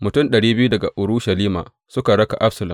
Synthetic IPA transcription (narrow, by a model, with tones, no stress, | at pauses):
mʊ˨tʊ˦mɗɐ˨ɽiː˦bɪ˦ju˦dɐ˨ɡa̰˨ʔʊ˨ɾuː˦ʃɐ˨liː˦ma̰ː˨ | sʊ˦ka˨ɽɐ˦ka˨ʔa˦ɸsɐ˨lɐ˨